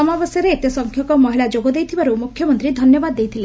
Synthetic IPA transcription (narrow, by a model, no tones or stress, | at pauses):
ɔmabɔsjɔɾeːt̪esɔŋkʰjɔkɔmɔɦiɭad͡ʒoɡɔd̪ejt̪ʰibaɾumukʰjɔmɔnt̪ɾid̪ʱɔnjɔbad̪ːejt̪ʰile